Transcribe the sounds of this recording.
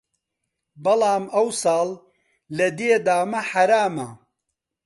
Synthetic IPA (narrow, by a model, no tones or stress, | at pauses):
bɐlɑːmɐwsɑːlː | ɐd̪eːd̪aːmɐħɐɾaːmɐ